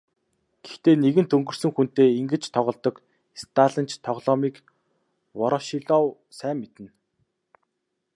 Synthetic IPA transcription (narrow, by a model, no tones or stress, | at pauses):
ɡ̥ext̪eːneɣɘ̆nt̪ʰɵŋɡɵ̆r̥sɵ̆ŋxun̥t̪eːiŋɡɘ̆t͡ɕt̪ʰɔʁɞ̆ɮt̪ɞ̆k | st̪ʰaːɮə̆nt͡ɕʰt̪ʰɔʁɮɔːmiːk | wɔɾɞ̆ʃiɮɔːw | sæːmːet̪ɘ̆n